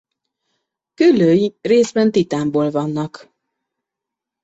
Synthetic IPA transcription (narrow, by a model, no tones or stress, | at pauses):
kylːøːjireːzbɛnt̪it̪aːmboːlvɒnːɒk